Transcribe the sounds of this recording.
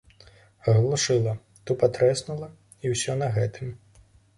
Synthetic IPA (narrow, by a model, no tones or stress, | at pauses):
ɣlˠuʂɨlˠɐ | t̪upat̪ɾɛsnulˠɐ | iwsʲɔnɐɣɛt̪ʰɨm